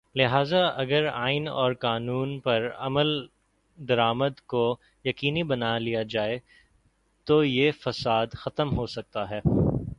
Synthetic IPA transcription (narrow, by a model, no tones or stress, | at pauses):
lɪɦaːzaɐɡəɾa̰ːɪnɔ̰ːɾqaːnuːnpɐɾɐ̰məl | d̪ɐɾaːməd̪ko | jɐqiːnibɐnalijad͡ʒaːe | t̪ojefɐsaːd̪xɐt̪əmɦosɐk̚t̪aɦɛː